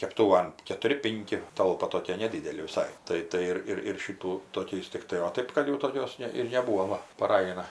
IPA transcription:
kʲɛpˈtuːʋɐn kʲɛtʊˈrʲɪ ˈpʲɪŋʲkʲɪ ˈtɐlˠpɐ toːˈkʲiɛ nʲɛˈdʲiːdʲɛlʲɪ ʋʲɪˈsɐɪ ˈtɐɪ ˈtɐɪ ɪr ɪr ˈʃʲɪtuː toːˈkʲɛɪs tʲɪkˈtɐɪ oː ˈtɜp kɐt jɛʊ toːˈkʲoːs ˈnʲɛ ɪr nʲɛˈbuːʋoː ˈʋɐ pɐˈrɐj ɐˈnɐ

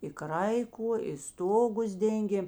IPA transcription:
ɪ ˈkrɐɪkʊ ɪ ˈstoːɡʊs ˈdʲɛŋʲɡʲeːm

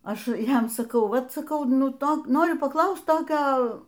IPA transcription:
ˈɐʃ ˈjɛm sɐˈkɐʊ ˈʋɐt sɐˈkɐʊ ˈnʊ ˈtoː ˈnoːrʲʊ pɐˈklˠɐʊst ˈtoːkʲoː

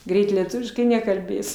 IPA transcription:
ˈɡrʲɛɪt lʲiɛˈtʊʋʲɪʃkɐɪ nʲɛkɐlʲˈbʲeːs

